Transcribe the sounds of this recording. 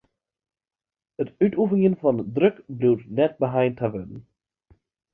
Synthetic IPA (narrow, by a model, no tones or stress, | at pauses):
ətytufɪŋjənfɑndɾʏkbliwɾnɛt̚bəɦajntʰavədən̩